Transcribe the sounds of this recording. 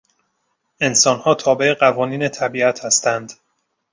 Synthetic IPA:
e̞nsɒːnhɒːt̪ʰɒːbe̞eɢævɒːniːnet̪ʰæbiːæt̪ʰhæst̪ænd̪

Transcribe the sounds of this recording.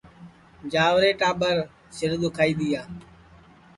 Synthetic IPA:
d͡ʒaːʋɾeːʈaːbəɾ | sɪɾd̪ʊkʰaːiːd̪iːaː

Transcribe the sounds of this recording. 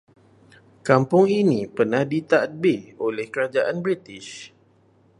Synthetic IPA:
kampʊŋinĩpərnahdit̪aʔt̪̚beolɛhkəɾad͡ʒaʔanbɾit̪ɪʃ

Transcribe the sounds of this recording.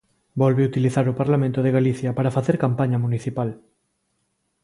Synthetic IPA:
bɔlβeut̪iliθaɾʊpaɾlamẽnt̪ʊðeɣaliθjɐpaɾafaθeɾkampaɲɐmuniθipal

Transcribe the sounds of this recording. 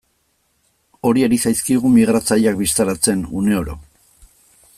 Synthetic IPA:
o̞ɾie̞ɾisajskiɣumiɣ̞ɾat͡saʎakbist̪aɾat͡se̞nṵne̞o̞ɾo̞̰

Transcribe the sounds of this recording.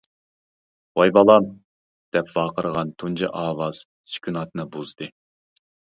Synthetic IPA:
wɑjbɑlˠɑm | d̪̥ɛpvɑːqəɾʁɑnt̪ʰund͡ʒɑʔɑːwɑz̥ | ʃi̥kʲʰynɑt̪̚ɨnɨbozd̪ɨ

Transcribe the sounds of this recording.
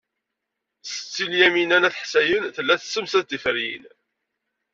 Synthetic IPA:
sə̥t͡sːiljæminænæθħsæjənθəlːæθəsːəmsæd̪ifəɾjḭn

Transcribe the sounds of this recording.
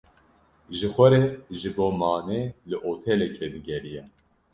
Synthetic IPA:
ʒɨxʷɛɾeʒɨboːmaːneːlɨʔoːt̪ʰɛlɛkʰebɨɡʲɛɾijɛ

